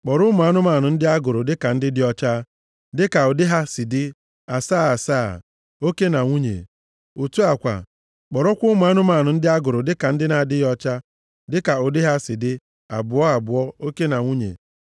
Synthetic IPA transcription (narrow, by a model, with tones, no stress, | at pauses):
k͡pɔ˨ɾʊ˦m˨a˦nʊ˦ma˨nʊ˨n̩˦dɪ˦a˦ɡʊ˨ɾʊ˨dɪ˦ka˨n̩˦dɪ˦dɪ˦ɔ˦t͡ʃa˦ | dɪ˦ka˨o˨dɪ˦ɦa˦sɪ˨dɪ˦ | a˨saː˦˨a˨sa̰ː˦˨ | o˦ke˦na˨ŋʷu˦ɲḛ˨ | u˨tu˦a˨kʷa̰˨ | k͡pɔ˨ɾɔ˦kʷʊ˦m˨a˦nʊ˦ma˨nʊ˨n̩˦dɪ˦a˦ɡʊ˨ɾʊ˨dɪ˦ka˨n̩˦dɪ˦na˨dɪ˦ɔ˦t͡ʃa˦ | dɪ˦ka˨o˨dɪ˦ɦa˦sɪ˨dɪ˦ | a̰˨bʊ˨ɔ˦a˨bʊ˨ɔ˦o˦ke˦na˨ŋʷu˦ɲḛ˨